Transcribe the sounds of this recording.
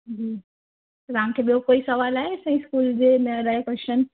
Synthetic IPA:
d͡ʑiː | ɾaãŋkʰeːbiokoːisɐʋaːlaːɦesɐ̃ĩskuːld͡ʑemẽɾajekwɛst͡ʃən

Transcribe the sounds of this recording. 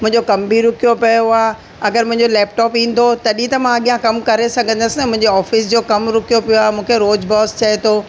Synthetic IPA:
mʊ̃ɦɪ̃ɲd͡ʑokɐmbʱiɾʊkʰijopɐjoaː | ɐɡəɾmʊ̃ɦɪ̃ɲd͡ʑolɛːp̚ʈɔːpĩːn̆d̪ʱot̪ɐɗĩt̪ɐmãɐɠijãkɐmkɐɾesɐɡʱə̃nd̪əsɪnɐmʊ̃ɦɪ̃ɲd͡ʑeɔːfɪs̬d͡ʑoːkɐmɾʊkʰijopijoaːɦemũːkʰeɾoːd͡ʑbɔːst͡ɕɐet̪ʰoː

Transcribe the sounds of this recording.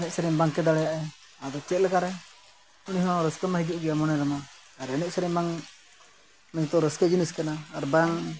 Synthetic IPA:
nɛʔ̚səɾɛmbaŋkɛd̪aɽɛjaʔɛ | ad̪ɔt͡ʃɛt̪̚lɛkaɾɛ | uniɦɔɾəskəmaɦid͡ʒiʔ̚ɡɛjamɔnɛɾama | aɾɛnɛʔsəɾɛmbaŋ | mɛ̃ɲt̪ɔɾəskəd͡ʒiniskanaːɾbaŋ

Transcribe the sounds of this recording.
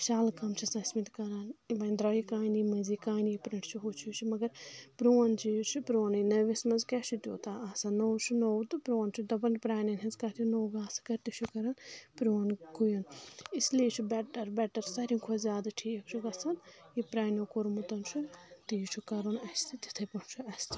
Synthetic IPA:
ʃaːlkɐmt͡ʃʰisɐsmit̪kɐɾaːnibɐnd̪ɾɐikaːnimɐziːkaːnipɾɐɳʈʰt͡ʃʰiɦot͡ʃʰit͡ʃʰimɐɡɐɾpɾoːnt͡ʃʰit͡ʃʰipɾoːnɐnɐʋismɐnzkʲɛt͡ʃʰit̪ʲjo̰ːt̪aasɐnoːwt͡ʃʰunowt̪ɨpɾoːnt͡ʃʰud̪ɐbɐnpɾaːnɐnɦɐzkaːt̪ʰjunoːwɡaːskɐɾt̪it͡ʃʰukɐɾaːnpɾoːnkʰujɐnisliːt͡ʃʰibɛʈɐɾbɛʈɐɾsɐɾiŋkʰozʲjaːd̪aʈʰiːkt͡ʃʰuɡɐsɐnipɾaːnokoɾmut̪ɐnt͡ʃʰut̪iːt͡ʃʰukɐɾonɐst̪it̪i̥t̪ʰɐpɐnt͡ʃʰuɐst̪ʰ

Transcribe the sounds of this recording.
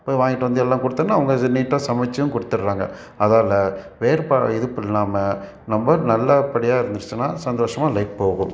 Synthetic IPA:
poːjʋaːŋɡɪʈːɐʋɐnd̪ɯɛlːãːkʊɽɯt̪ːɐnːaːɐʋɐŋɡɐniːʈːãːsɐmɛt͡ʃːɐjʊ̃kʊɽɯt̪ːɯɾːaːŋɡɐ̰ | ɐðaːlɐ | ʋeːɾpaːɪðɯpːɪllaːmɐ | nɐmbɐnɐlːɐpɐɽɪjaːɪɾɯnd̪ɯɾɯt͡ʃːɯnːaːsɐnd̪oːʂɐmaːlɐɪk̚poːɣʊ̰̃m

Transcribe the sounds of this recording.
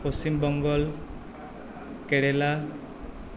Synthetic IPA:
pɔst͡ɕimbɔŋɡɔl | keɽela

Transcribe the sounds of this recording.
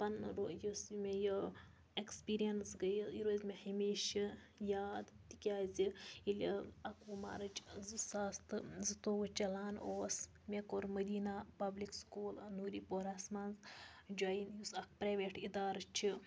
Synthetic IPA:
pɐnɾojosmʲejo | ekspiːɾijɐnsɡɐjiɾoːzʲmehɐmiːʃi | jaːd̪t̪i̥kʲaːzʲiilʲiɐkuma̰ːɾɐt͡ʃzɨsaːst̪ɨzɨt̪oːʋɐt͡ʃɐlaːnoːs | mʲekoːɾmɐd̪iːnapɐblikskuːlnuːɾiːpoːɾaːsmaːnzd͡ʒaːinjusɐk̚pɾaːʋeːʈid̪aːɾɐt͡ʃʰi

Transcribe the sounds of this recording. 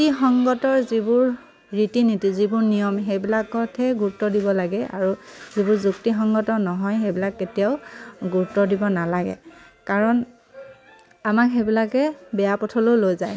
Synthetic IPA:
tixɔŋɡɔtɔɹzibʊɹ | ɹitinitizibʊɹnijɔmɦejbilakɔtʰɛɡuɹtɔdibɔlaɡɛʔa̰ɹuzibʊɹzuktixɔŋɡɔtɔnɔɦɔjɦejbilakːetijaʊɡuɹutɔdibɔnalaɡɛ̰ | kaɹɔn | amakɦebilakɛbɛjapɔtʰɔlolojzaj

